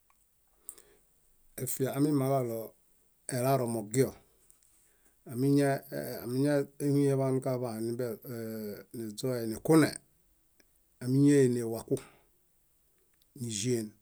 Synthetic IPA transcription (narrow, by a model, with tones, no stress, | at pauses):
e˨fi˨aː˨mi˦ma˨ɣa˦˨lɔ˨ | e˨la˦ɾɔ˨mo˨ɡi˦ɔ˨ | a˨mi˦ɲ˦˨mi˦ɲe˦hi˦e˦βa˦nu˦ka˦βa˨ni˦bni˨d͡zɔ˦ɛ˨ni˨ku˦nḛ˨ | a˨mi˦ɲe˦je˨ne˨wa˨ku˦ | ni˨ʒi˦e˨n